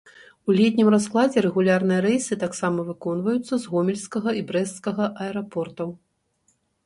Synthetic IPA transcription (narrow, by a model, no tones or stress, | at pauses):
ulʲɛt̪ʲnʲimrasklˠad͡zʲɛɾɛɣulʲarn̪ɨjɐɾɛjsɨt̪aksamɐvɨkɔnvɐjut̪sːɐzɣɔmʲɛlʲskɐɣɐibɾɛsskɐɣɐʔɐɛɾapɔrt̪ɐw